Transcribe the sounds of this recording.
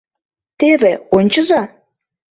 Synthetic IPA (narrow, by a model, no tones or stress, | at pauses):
t̪eβeonʲt͡ɕɤ̆zɑ